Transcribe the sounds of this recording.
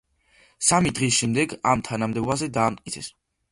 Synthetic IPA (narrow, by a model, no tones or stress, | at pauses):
samid̪ʁis̬ʃɛmd̪ɛɡamt̪ʰanamd̪ɛɔbazɛd̪aːmt̪̚ʼkʼit̪sʰɛs